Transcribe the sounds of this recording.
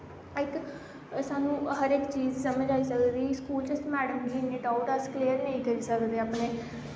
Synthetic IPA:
ɪk | saːnũːɦəɾɪkt͡ʃiːzsəməd͡ʒaːisəkd̪d̪iːskuːlt͡ʃəsmɛːɽəmɡiːnɪʈaːʊʈəskleːəɾnəĩːkəɾiːsəkd̪eːapneː

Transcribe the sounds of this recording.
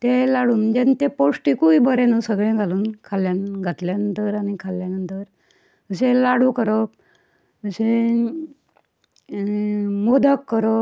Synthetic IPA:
t̪elaɽuːnd͡ʑent̪epoʂʈikuibəɾẽnusəɡɭẽɡʱaluːnkʰaljanɡʱat̪ljanənt̪əɾaɽ̃ikʰalːjanənt̪əɾ | əsẽlaɽukəɾɔ | əse | mod̪ʱəkːəɾɔ

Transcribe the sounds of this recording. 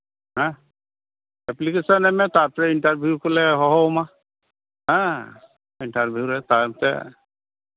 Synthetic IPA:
ɦɛ̃ | ɛplikesɔnɛmɛtapɹɛintaɹbʱijukolɛɦɔɦɔma | ɦɛ̃ | intaɹbʱijuɹɛtaɹmtɛ̰

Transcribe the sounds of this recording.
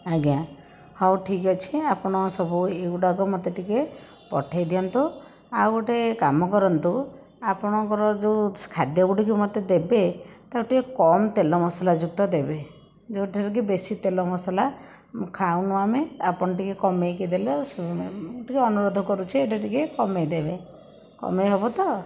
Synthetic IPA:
aɡijã | hɔwʈʰikɔt͡ʃʰiapɔɽ̃ɔsɔbueuɖaɡɔmɔt̪eʈike | pɔ̰ʈʰajd̪ijɔnt̪u | a̰woʈekamɔkɔɾɔnt̪u | apɔɽ̃ɔkɔɾɔd͡ʒewkʰad̪jɔɡuɖikimɔt̪ed̪ebet̪awʈikekɔmt̪elɔmɔsalad͡ʒuk̚t̪ɔd̪ebe | d͡ʒewʈʰiɾɔk̬ibesit̪elɔmɔsala | kʰawnuameapɔñɔʈikekɔmejked̪elɔsoʈikeɔnuɾod̪ʱɔkɔɾut͡ʃʰieʈaʈikekɔmejd̪ebe | kɔ̰meɦebɔt̪ɔ

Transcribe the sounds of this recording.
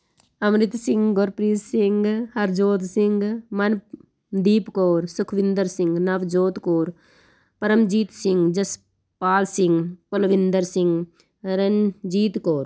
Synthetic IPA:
ɐmɾit̪siŋɡɡoɾpɾiːssiŋɡhɐɾd͡ʒoːt̪siŋɡmɐn | d̪iːpkoːɾsukʰʋind̪ɐɾsiŋɡnɐʋd͡ʒoːt̪koːɾ | pɐɾɐmd͡ʒiːt̪siŋɡd͡ʒɐs | paːlsiŋɡpolʋind̪ɐɾsiŋɡ | ɾɐnd͡ʒiːt̪koːɾ

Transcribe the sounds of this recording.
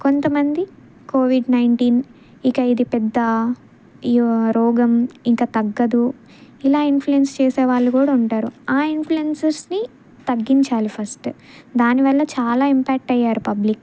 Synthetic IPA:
ko̞nt̪ɐmɐnd̪i | koːʋiɖnɐjɳʈiːn | ikɐid̪ipɛd̪ːɐ | ɾɔːɡɐmiŋkaːt̪ɐɡːɐd̪u | ilaːinpʰluenst͡ʃeːseːʋaːɭːukuːɽauɳʈaːɾuaːinpʰluensɐɾsni | t̪ɐɡːiɲt͡ʃaːlipʰɐsʈ | d̪aːniʋɐɭːɐt͡ʃaːlaːimpɛːk̚ʈɐjːaːɾupɐblik

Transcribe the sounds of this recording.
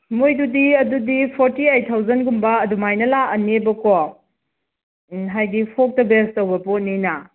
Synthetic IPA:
mojdudiɐdudipʰoɾtiajtʰawzɐnɡumbɐːdumajnɐlaɐnːebɐkɔ | ɦajdipʰok̚tɐbestɐwbɐponinɐ

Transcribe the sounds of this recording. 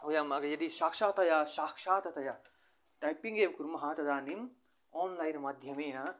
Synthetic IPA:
ɦujamɐɡɐjɐd̪isaːkʃaːt̪ɐjasaːkʃaːt̪ɐt̪ɐja | ʈajpiŋɡemkuɾmɐɦãːt̪ɐd̪aːnim | ɔːnlajnmad̪ʱjɐmeːna

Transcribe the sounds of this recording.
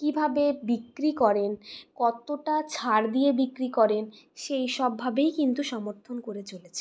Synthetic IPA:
kibʱabebikːɾikɔɾenkɔt̪oʈat͡ɕʰaɾd̪ijebikɾikɔɾenʃejʃɔbʱːabejkint̪uʃɔmoɾt̪ʰonkoɾet͡ɕolet͡ɕʰe

